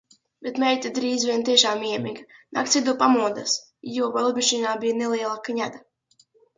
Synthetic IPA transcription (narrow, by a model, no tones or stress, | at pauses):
bet̪mɛjt̪ʲid̪ɾiːzvʲiɛnt̪̬iɛʃaːmiɛmʲiɡna̰kt̪sʲid̪upamuɔd̪a̰s | juɔvalˠbʲiʃiːnaːbijnɛliɛlˠakaɲad̪a